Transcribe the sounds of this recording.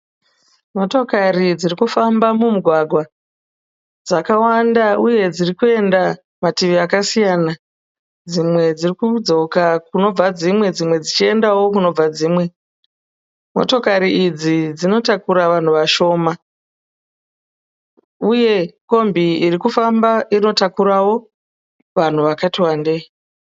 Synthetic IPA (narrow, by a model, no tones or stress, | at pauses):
mo̞to̞karid͡zirikufambamumuɡʱwaɡʱwa | d͡zakawandauje̞d͡zirikue̞nda | matiʋiakasijaːna | d͡zimwe̞d͡zirikud͡zo̞kakuno̞b͡vad͡zimwe̞d͡zimwe̞d͡zit͡ʃie̞ndawo̞kuno̞b͡vad͡ziːmwe̞ | mo̞̰to̞kaɾiːd͡zid͡zino̞takuɾaʋan̤uʋaʃo̞ːma | uje̞ko̞mbiirikufambaino̞takuɾawo̞ | ʋan̤uʋakatiwande̞i